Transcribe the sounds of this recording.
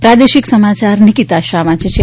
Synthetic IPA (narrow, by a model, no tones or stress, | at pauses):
pɾad̪eʃiksəmat͡ʃaɾnikit̪aʃɾamãt͡ʃʰet͡ʃʰe